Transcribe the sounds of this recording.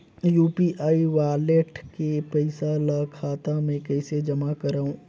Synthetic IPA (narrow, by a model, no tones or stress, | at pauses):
juːpiʔaːiʋaːleʈkepɐɪsalakʰaːt̪amẽkɛːsed͡ʒɐmakɐɾaːũː